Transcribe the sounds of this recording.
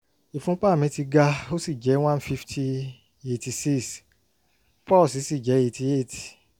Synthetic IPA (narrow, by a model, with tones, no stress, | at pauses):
i˨fũ˦k͡pa˦˨mĩ˨˦ti˧ɡa˧o˦si˦˨d͡ʒɛ˨˦w̃ã˦n˦fi˦˧ftʰi˧ | e˧ti˧si˦s | pɔ˦˨si˨˦si˦˨d͡ʒɛ˨˦e˧˨ti˧e˦˨ti̥˨